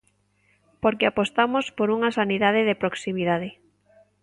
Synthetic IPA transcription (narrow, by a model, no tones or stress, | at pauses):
poɾkeapost̪amospoɾuŋasaniðað̞eðepɾoksimiðað̞ɪ